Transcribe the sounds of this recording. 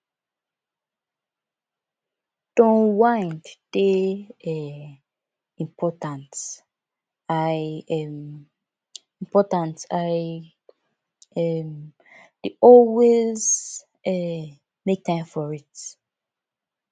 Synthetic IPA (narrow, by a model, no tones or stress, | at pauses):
d̥ɔ̃nwãɪ̃ndd̥eɛ | ĩmpʰɔtãnt | aɪɛm | ĩmpɔtãntaɪ | ɛm | d̥eʔɔlwez̥ | ɛ | mek̚tʰãɪ̃mfɔɹit